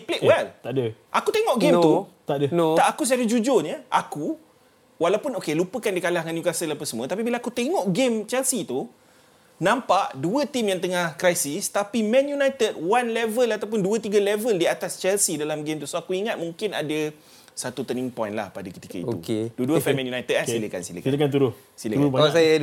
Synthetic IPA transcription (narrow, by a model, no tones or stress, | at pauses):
pleʔwɛlt̪aʔdəʔakut̪eŋɔʔɡenmt̪ut̪aʔdət̪aʔakus̬əadəd͡ʒud͡ʒoɲəʔaku | walawpʊnokelupəkandikalahŋanjukasəlapəsəmũə̃t̪apibilaakut̪eŋɔʔɡemt͡ʃɛlsit̪u | nãmpaʔduət̪imjaŋt̪əŋahkɾajsɪst̪apimɛ̃njunajt̪əd̚wanlɛvəlat̪awp̬ʊnduət̪iɡəlɛvəldiat̪ast͡ʃɛlsidalamɡemt̪usoakuiŋat̪̚mũŋkɪnada | sat̪ut̪əniŋpɔjnla̰hpadakə̥t̪i̥kə̰ḭt̪ṵkeduəduəfɛmɛ̃njunajt̪əd̚asiləka̰nsilə̰kt̪əkant̪uɾʊ | siləaasaja